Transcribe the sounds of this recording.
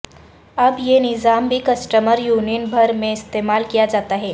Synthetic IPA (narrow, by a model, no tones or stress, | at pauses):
əbjenɪzambʱiːkəsʈəməɾjuninbʱəɾmeɪst̪emalkijad͡ʒat̪aɦe